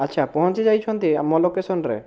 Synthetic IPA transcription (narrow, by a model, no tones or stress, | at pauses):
ɐtːɕʰapɔɦɔ̃nt͡ʃed͡ʒajt͡ʃʰont̪imɔlokːesʰonɾḛ